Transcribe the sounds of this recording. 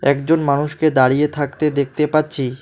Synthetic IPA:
ɛkd͡ʑonmanuʃked̪aɾijet̪ʰakt̪ed̪ek̚ʰt̪epatːɕʰi

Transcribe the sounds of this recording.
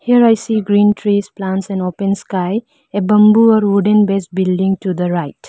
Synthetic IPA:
hiəɾajsiɡɾĩnʈɾisplãnʈsɛ̃nopə̃nskaj | ebʌ̃mbuɔɾwuɖə̃nbesbilɖĩŋʈud̪əɾaɪt

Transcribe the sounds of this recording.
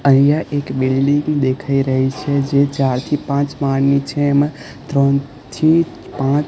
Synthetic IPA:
əɦijaʔekbilɖiŋɡd̪ekʰaiɾəɦit͡ʃʰed͡ʒet͡ʃaɾt̪ʰipãt͡ʃmaɾnit͡ʃʰem | t̪ɾə̃ | t̪ʰi | pãt͡ʃ

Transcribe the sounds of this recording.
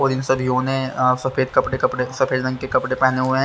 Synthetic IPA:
ɔːɾɪnsɐbʱjɦõːnɛ̃sɐfʰeːd̪̚kɐpɽekɐpɽesɐfʰeːd̪ɾɐ̃ŋɡkekɐpɽepɛɦneɦʊeɦɛ̃

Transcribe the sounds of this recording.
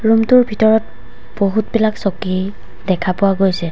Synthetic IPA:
ɹumtʊɹbʱitɔɹɔt̚ | b̥oɦutbilaksoki | dɛkʰapʊwaɡojsɛ

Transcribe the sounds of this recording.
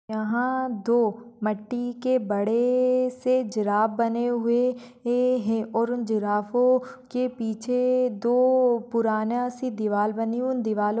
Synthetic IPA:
ɐɦãd̪oːmɐʈːikebɐɽesed͡ʒɪɾaːbbɐneɦʊe | ɦɛ̃ʔɔːɾʊnd͡ʒɪɾaːfõkepiːt͡ʃʰed̪oːpʊɾaːnasid̪ɪʋaːlbɐniʊnd̪ɪʋaːl

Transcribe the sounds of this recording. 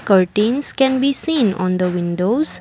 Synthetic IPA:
kəɾʈĩnskɛ̃nbisĩːnɔ̰̃nd̪əʋɪ̃nɖoːz̥

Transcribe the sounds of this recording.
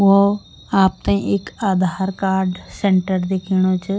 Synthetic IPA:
o | aːp̚t̪ãːĩʔɪkaːd̪ʱaːɾkaːɾɖsẽːɳʈəɾd̪eːkʰiːɽ̃ot͡ʃ

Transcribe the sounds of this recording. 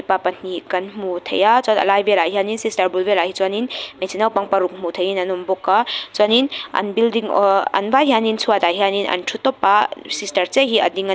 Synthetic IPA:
ipapɐnikɐnmutʰɐ̰jat͡ʃatɐ̰lajbeɾaɦianinsistɐɾbulbeɾahit͡ʃwaninmesinawpaŋpaɾuk̚mutʰɐjinɐnumbɔkːat͡ʃaninɐ̰nbildiŋ̰ɐ̰nbaɦianinsuataɦianinɐ̰ntʰutɔpːasistɐɾt͡ʃeɦiɐ̰diŋ

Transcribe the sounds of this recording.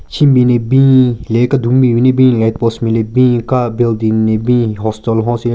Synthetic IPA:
t͡ɕʰimbinebĩlekad̪uŋmĩjinebĩlet̪̚pɔsmĩlebĩkabeld̪inːebĩɦɔstɔlɦɔ̃si

